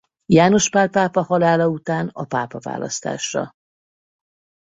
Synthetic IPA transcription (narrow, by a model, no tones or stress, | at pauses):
jaːno̞ʃpaːlpaːpɒhɒlaːlɒut̪aːnɒpaːpɒva̰ːlɒ̰st̪a̰ːʃrɒ̰